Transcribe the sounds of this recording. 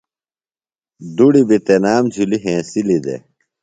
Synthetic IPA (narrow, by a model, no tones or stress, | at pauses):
d̪uɽibit̪enaːmd͡ʑʰʱuliɦẽːsilid̪ḛ